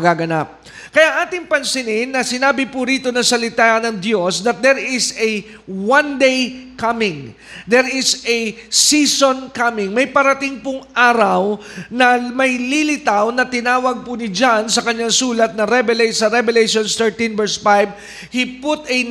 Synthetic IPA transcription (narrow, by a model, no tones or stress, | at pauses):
ɡaːɡɐnap̚ | kɐjaʔaːt̪ɪŋpɐnsɪnɪnːɐsɪnaːbɪpʊɾiːt̪o̞nɐŋsɐlɪt̪anɐŋd̪jo̞sd̪ɐt̪̚d̪ɛɹɪsɛ | wand̪ejkamɪŋ | d̪ɛɹɪsɛsiːsonkamɪŋmɐjpɐɾɐt̪ɪŋpʊŋʔaːɾɐwnɐmɐjlilɪt̪awnɐt̪ɪnaːwɐɡ̚pʊnɪd͡ʒansɐkɐɲːaŋsuːlɐt̪̚nɐɾɛbɛlɛjsɐɾɛbɛlejʃonst̪ɛɹt̪invɛɹsfajb̚ | hipʊt̪ɐj